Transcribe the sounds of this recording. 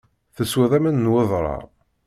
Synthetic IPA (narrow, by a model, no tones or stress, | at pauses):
θəsweðˤæmænːwəðˤɾˤɑ̰